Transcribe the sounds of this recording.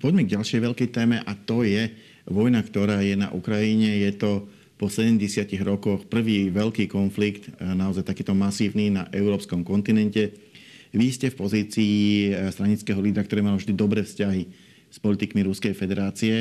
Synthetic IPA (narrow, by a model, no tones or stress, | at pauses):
pɔɟmɛɡɟalʃɪɛjʋɛʎkɛjt̪ɛːmɛʔat̪ɔjɛ | ʋɔjnakt̪ɔɾaːjɛna̰ʔṵkɾajiɲɛjɛt̪ɔ | pɔsɛɟɛmɟɛsɪaciɣɾɔkɔxpr̩ʋiːʋɛʎkiːkɔnflikt̪naɔzajt̪akiːt̪ɔmasiːʊninaʔɛʊɾɔːpskɔmkɔnt̪inɛncɛʋiscɛfpɔziːt͡siːst̪ɾaɲit͡skɛːɦɔliːd̪ɾakt̪ɔɾɛːmalɔvʒd̪id̪ɔbɾɛːfscaɦi | spɔlit̪ikmiɾuskɛjfɛd̪ɛɾaːt͡siɛ